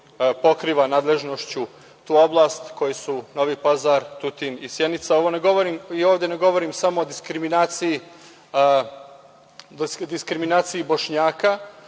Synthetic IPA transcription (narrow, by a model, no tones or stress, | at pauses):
po̞kɾiːʋanaːd̪lˠe̞ʒnoʃt͡ɕu | t̪uːo̞blˠast̪ko̞jesuno̞ʋipazaɾt̪ut̪inisjenit̪sao̞ʋo̞ne̞ɡo̞ʋoɾimioːʋd̪e̞neɡo̞ʋo̞ɾimsamo̞od̪iskɾiminaːt̪siji | d̪iskɾiminaːt̪sijibo̞ʃɲaːka